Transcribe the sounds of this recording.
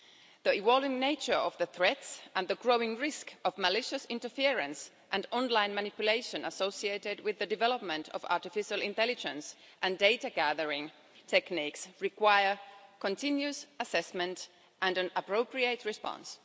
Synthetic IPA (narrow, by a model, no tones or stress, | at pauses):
ðiɪwɔlˠɪ̃ŋneɪt͡ʃə˞ʌvðəθɹɛtsʔə̃nðəɡɹoʊɪ̃ŋɹɪskʌvməlɪʃɨsɪ̃ntə˞fiɹɨ̃ns | ʔɨ̃ndɔ̃nlãɪ̃nmænɪpjʊleɪʃɨ̃nəsoʊsieɪɾɪd̚wɪðɨdɨvɛləp̚mə̃ntʰʌ̰vɑ̰ɹtɨfɪʃəl̩ˠɪ̃ntɛlɪd͡ʒə̃ns | ʔɨ̃ndeɪtaɡæðə˞ɪ̃ŋ | tʰɛkniksɹɪkwaɪə˞kə̃ntʰɪ̃njʉsəsɛsmɨ̃nt | ʔɨ̃ndɨ̃nəpɹoʊpɹieɪtɹɨspɑ̰̃ns